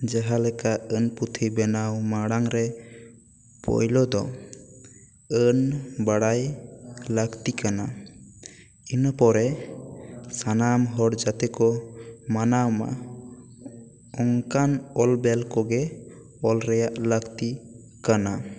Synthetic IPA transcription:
d͡ʒaɦalɛkaənput̪ʰibɛnawmaɽaŋɾɛ | pɔ̰jlɔd̪ɔ | ənbaɽajləkt̪ikana | inpɔɾɛ | sanamɦɔɽd͡ʒat̪ɛkɔmanawma̰ | ɔŋkanɔlbɛlkɔɡɛ | ɔlɾɛjaʔləkt̪i | kana

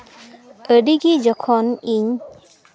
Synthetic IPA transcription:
əɖiɡid͡ʒɔkʰɔniɲ

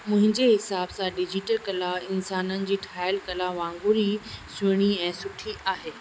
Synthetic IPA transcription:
mʊ̃ɦɪ̃ɲd͡ʑeɦɪsaːbsãɖɪd͡ʑiʈəlkɐlaɪnsaːnənɪ̆d͡ʑiːʈʰaːɪlkɐlaʋãːŋɡuɾisʊɽ̃iɛ̃ːsʊʈʰiʔaːɦeː

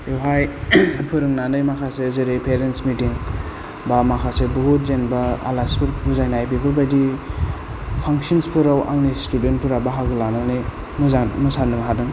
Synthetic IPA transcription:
ewɦajpʰɯɾɯŋnanɯjmakʰasezeɾepʰeɾensmitiŋ | bamakʰasebuɦut̚zenbaa̰laspɯɾbuzajnajbipʰɯlbajdi | pʰaŋsɔnspʰɯɾawʔa̰ŋnistudent̚pʰɯɾabaɦaɡɯlananɯj | mɯzamɯsanɯmɦadɯŋ

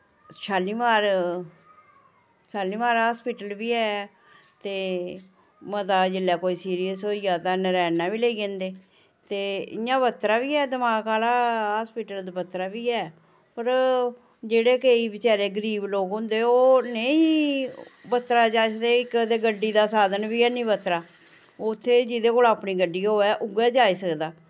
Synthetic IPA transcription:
ʃʰaːliːmaːɾ | saːliːmaːɾɦaːspiːʈəlʋiːɛː | t̪eː | mət̪aːd͡ʒɪlːɛːkoːiːsiːɾijəsɦoːijaːt̪ãːnəɾɛːnãːʋiːləiːd͡ʒẽːnd̪eː | t̪eːɪjãːbət̪ːɾaːʋiːɛːd̪əmaːkaːlaːɦaːspiːʈəld̪bət̪ːɾaːʋiːɛː | pəɾ | d͡ʒeːɽeːkəiːʋɪt͡ʃaːɾeːɡəɾiːbloːkɦʊ̃nd̪eːoːneĩ | bət̪ːɾaːd͡ʒaːisəkd̪eːɪkd̪eːɡəɖːiːd̪aːsaːd̪ənbiːɛːnĩːbət̪ːɾaː | t̪ʰːeːd͡ʒid̪eːkoːlaːpniːɡəɖːiːoːɛːʔʊɡɛːd͡ʒaːisəkd̪aː

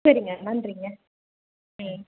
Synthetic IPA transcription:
sɐɾiŋɡɐmaːndɾiŋɡɐ

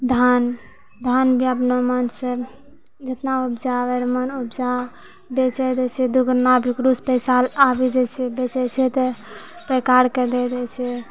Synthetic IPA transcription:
d̪ʱan | d̪ʱanbʱiabnomanse | d͡ʒet̪naupd͡ʒaʋeɾmənupd͡ʒa | bet͡ʃɛd̪ɛt͡ʃʰɛd̪uɡɾnabʱikɾuspəsalabid͡ʒɛt͡ʃʰɛbet͡ʃɛt͡ʃʰɛt̪e | pekaɾked̪ɛd̪ɛt͡ʃʰɛ

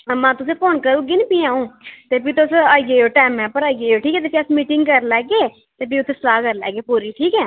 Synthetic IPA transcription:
mãːt̪ʊsẽːpʰoːnkəɾũːɡɪnpiːaːũːt̪eːpiːt̪osaːɡeːoːʈɛːmɛːpəɾaːɡeːoːʈʰiːkɛːt̪̬eːpʰiəsmiːʈɪŋɡkəɾlɛːɡeː | t̪eːpiːʊt̪ʰːeːslaːkəɾlɛ̰ːɡeːpoːɾiːʈʰiːkɛː

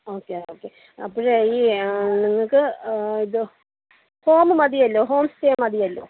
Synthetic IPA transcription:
oːkːeoːkːe | ɐpːoɻeiːniŋːɐɭkɨiðɨ | hoːmɨmɐðijɐlːoːɦo̞ːmsteːmɐðijɐlːo̰ː

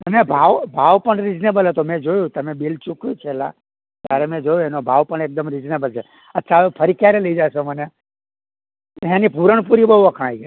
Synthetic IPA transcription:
t̪əmebʱaʋbʱaʋpəɳɾid͡ʒnebəlɦət̪omɛ̃d͡ʒojũt̪əmebelt͡ʃukjut͡ʃʰela̰ | t̪ja̰ɾemɛ̃d͡ʒojoenobʱaʋpəɳek̚d̪əmɾid͡ʒnebəlt͡ʃʰe | ətːʃʰaʋepʰəɾikjaɾeləid͡ʒaʃeməne | ãnipuɾəɳpuɾibəɦuʋəkʰɽ̃ai

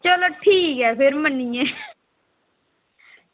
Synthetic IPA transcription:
t͡ʃəloʈʰiːkɛːpʰɪɾmənːijɛ̃ː

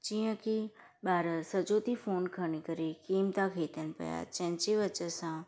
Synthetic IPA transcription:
t͡ʃĩjə̃ki | baːɾəsəd͡ʒot̪ifoːnkʰəɳikəɾikiːmt̪akʰeːt̪ənpə̰ja̰t͡ʃə̃nt͡ʃeʋət͡ʃəsã

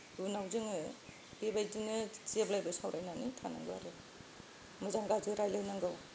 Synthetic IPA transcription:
unawzɯŋɯ | bebajziŋɯt͡ʃiablajbɯsawɾajnanitʰana̰ŋɡɯwa̰ɾe | mɯzaŋɡazɯɾajlɯjnaŋɡaw

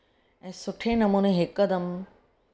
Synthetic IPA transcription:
ɛ̃ːsʊʈʰenɐmuːnẽɦɪkːəd̪əm

